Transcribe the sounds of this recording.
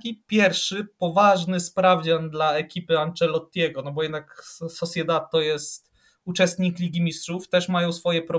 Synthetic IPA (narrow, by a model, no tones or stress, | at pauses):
kʲipʲjɛɾfʂɘpɔvaʐnɘspɾavd͡ʑanʲd̪laɛkʲipɘant͡ʂɛlɔt̪ʲːɛɡɔnɔbɔjɛd̪naksɔsʲjɛd̪at̪t̪ːɔjɛst̪ | ut͡ʂɛst̪ɲiklʲiɡʲimʲistʂuft̪ɛʂmajɔ̃w̃sfɔjɛpɾɔ